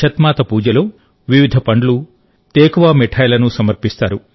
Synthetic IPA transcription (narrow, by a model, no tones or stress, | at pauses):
ʃɐt̪maːt̪ɐpuːd͡ʒɐlo̞ː | ʋiʋid̪ʱɐpɐɳɖlu | t̪eːkɐʋaːmeʈʰɐːjlɐnusɐmɐɾpist̪aːɾu